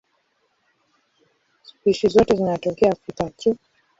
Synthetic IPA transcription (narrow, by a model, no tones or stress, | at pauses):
spiʃizɔtɛzinatɔkɛafitat͡ʃu